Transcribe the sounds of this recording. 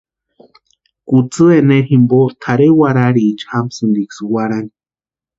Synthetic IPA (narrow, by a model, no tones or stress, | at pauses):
kut͡sɨeneɾɦimbot̪ʰaɾewaɾaɾiːt͡ʃhamsɨnd̪ikswaɾani̥